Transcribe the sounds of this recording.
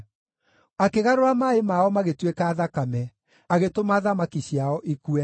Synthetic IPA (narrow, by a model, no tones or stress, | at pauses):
akeɣaɾoɾamaemaɔmaɣetwekaːðakamɛ | aɣetomaðamakiɕiaɔʔikuɛ